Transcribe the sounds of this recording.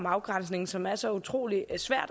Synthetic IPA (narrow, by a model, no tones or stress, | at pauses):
mɑ̈ʊɡ̥ʁan̰sne̝ŋ̩sɒ̽mæɐsɒ̽ut͡sʰʁo̝̰ːlisʋæɐ̰d̥